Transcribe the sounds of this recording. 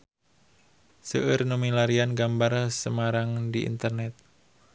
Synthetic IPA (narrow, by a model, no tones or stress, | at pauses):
səɨrnomilaɾianɡambaɾasəmaɾaŋdiḭnt̪ərnɛt̪̚